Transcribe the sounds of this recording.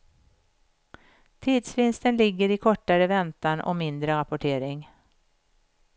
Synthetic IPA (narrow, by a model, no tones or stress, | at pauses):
t̪ʰiːd̪svɪnst̪ənlɪɡːəɾɪkʰɔʈːaɾəvɛnt̪anʔɔ̰mɪnd̪ɾəɾapʊʈʰeːɾɪŋ